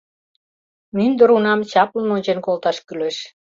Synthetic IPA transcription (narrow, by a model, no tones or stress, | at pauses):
mynd̪ə̆ɾunɑmt͡ɕɑpləmonʲt͡ɕenkolt̪ɑʃkyleʃ